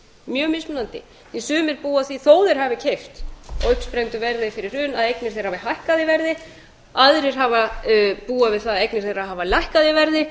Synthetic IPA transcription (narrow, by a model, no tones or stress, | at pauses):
mjœːmɪsmʏnant̪ɪ | ɛsʏːmɪɾpuːaθiθoːwðɪɾ̥haːvɪcʰejft̪ɔ̰ʏhpspɾejnt̪ʏvɛɾðɪfɪɾɪɾ̥ʏnaðejknɪɾ̥θejɾ̥havɪhajhkaðɪvɛɾðɪ | aðɾɪɾ̥ɦavapuːavɪðθaðejknɪɾ̥θejɾaɦaːvalajhkaðɪvɛɾðɪ